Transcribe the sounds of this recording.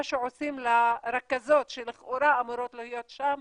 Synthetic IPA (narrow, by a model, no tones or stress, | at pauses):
aʃeʕosimlaɾakazo̞t̪ʃeleχoɾaːmuɾot̪lehijot̪ʃam